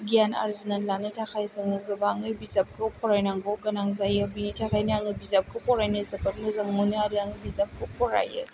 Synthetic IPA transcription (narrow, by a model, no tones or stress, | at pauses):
ɡijana̰ɾzinanlanɐtʰakʰajzɐŋɯɡɐbaŋɯbizap̚kʰɐpʰɔɾajnaŋɡoɡɐnaŋzajabinitʰakʰajniaŋɯbizap̚kʰɯpʰɔɾajnɐzɐpɐt̚nɯzaŋmuniaɾiaŋɯbizap̚kʰopʰɔɾa̰jɯ̰